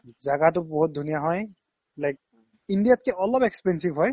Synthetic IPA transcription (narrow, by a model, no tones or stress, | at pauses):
zaɡat̬ʊbɔɦut̚dʱunijaɦɔj | lajk̚ | indijat̚kɛʔɔlɔpekspɛnsibɦɔj